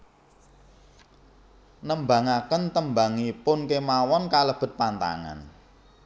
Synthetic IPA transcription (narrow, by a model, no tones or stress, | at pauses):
nəmba̤ŋakənt̪əmba̤ŋipʊnkemawɔnkaləb̥ə̤t̪̚pant̪a̰ŋa̰n